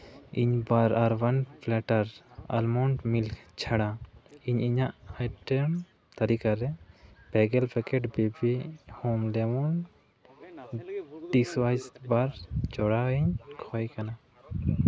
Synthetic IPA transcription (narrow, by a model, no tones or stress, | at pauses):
iɲbaɾaɾbanpʰlɛʈaɾa̰lmɔɳʈmilkt͡ʃʰaɽaiɲiɲaʔajʈɛm | t̪aɾikaɾɛb̥ɛɡɛlbʰɛkɛʈbebihomlɛmɔn | ɖiswajsbaɾd͡ʒɔɽaiɲkʰɔjkana